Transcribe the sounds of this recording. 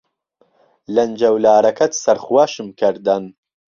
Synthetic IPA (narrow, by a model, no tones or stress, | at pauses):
lɐnd͡ʒɐwlaːɾɐkɐt̪sɐɾχuwaːʃɨmkʰɐɾd̪ɐn